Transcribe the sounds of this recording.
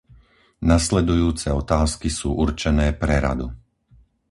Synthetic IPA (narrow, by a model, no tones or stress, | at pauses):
naslɛd̪ujuːt͡sɛɔt̪aːskisuːʔuɾt͡ʃɛnɛːpɾɛɾa̰d̪u